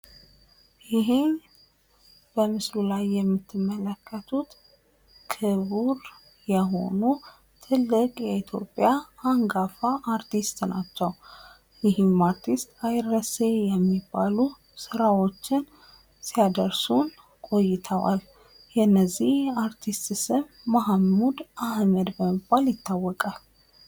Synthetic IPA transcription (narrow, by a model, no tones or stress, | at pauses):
jɪɦɪm | b̥əmɨslulajːɛmːɨt̪ʰːɨmːələkʰːət̪ʰut̪ | kʰɨβuɾ | jɛɦo̞̰nu | t̪ʰɨlːɨkʼjɛit̪ʰjo̞̰pʼːjaaŋɡafaʔːɾt̪ʰist̪nat͡ʃːɛw | jɪhɨmaɾt̪ʰist̪ajɾəsejɛmːibːalu | sɨɾawo̞t͡ʃːɪn | sijad̪əɾsun | kʼo̞jːɪt̪ʰəwʔa̰l | jɛnːəzːihaɾt̪ʰist̪ʼsɨmːahmud̪ʔahməd̪bəməbːaljɪt̪ːawːɔkʼal